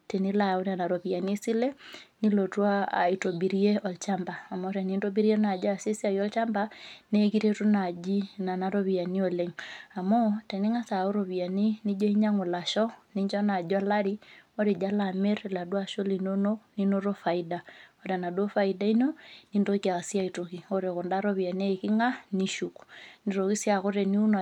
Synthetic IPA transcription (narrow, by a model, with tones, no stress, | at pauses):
te˨ni˦la˨o˦ɾa˨na˨ɾo˨βi˨a˨ni˦si˦lɛ˦ni˦lo˨twa̰ː˦˨i˨to˨bi˨ɾi˦e˦ɔ˨lt͡ʃa˦mbaː˨mɔ˦tɛ˨ni˦nto˦bi˦ɾi˦ɛ˦na˨d͡ʒa˦˨si˦si˦a˨jɔ˦lt͡ʃa˦mbane˦ki˦ɾe˦tu˦na˨d͡ʒi˦na˨na˨ɾo˦βi˨a˨ni˦o˨le˨ŋa˨mɔ˦tɛ˨ni˦ŋa˦sa˨o˦ɾo˨βi˨a˨ni˦ni˦d͡ʒɔ˦i˦ɲa˦ŋo˨la˨ʃɔni˦ɲd͡ʒɔ˦na˨d͡ʒa˦la˦ɾioɾe˨d͡ʒa˦lame˦ɾla˨dwa˨ʃo˦linononinoɾofa˨ida˨oɾa˨na˨dwo˦fa˨ida˦i˦nonindo˦ka˨sija˦itoki˨oɾeko˨ndaɾo˦βi˨a˨ne˦ki˦ŋa˦niʃuku̥ni˨ɾoki˦sja˨ko˦ɾɛ˨ni˦u˦n˨